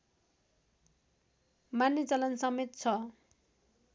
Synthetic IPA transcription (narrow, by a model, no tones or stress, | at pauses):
manjʌt͡salʌnsʌmet̪̚t͡sʰʌ